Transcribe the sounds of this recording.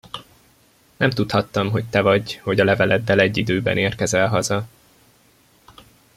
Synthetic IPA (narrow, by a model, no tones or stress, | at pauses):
nʔɛmt̪ut̪hɒt̪ːɒmɦo̞c̚t̪ɛvɒɟho̞ɟɒlɛvɛlɛd̪ːɛlɛɟːid̪øːbɛ̰neːrkɛzɛlɦɒzɒ